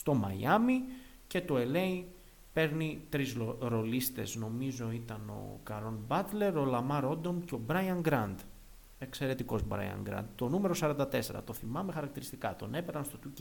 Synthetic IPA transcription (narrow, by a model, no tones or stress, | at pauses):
st̪o̞mɐ̰jɐmi | ce̞t̪o̞e̞le̞i | pe̞ɾnit̪ɾizɾo̞list̪e̞zno̞mizo̞it̪ɐno̞̰kɐɾo̞nbɐt̪le̞ɾo̞lɐmɐɾo̞d̪o̞mceo̞bɾɐjɐŋɡɾɐnd̪ | e̞kse̞ɾe̞t̪iko̞zbɾɐ̰jɐ̰ŋɡɾɐ̰nd̪t̪o̞nume̞ɾo̞sɐɾɐnd̪ɐt̪e̞se̞ɾɐ̰t̪o̞θimɐmexɐɾɐk̚t̪iɾist̪ikɐt̪o̞̰ne̞peɾɐnst̪o̞t̪uc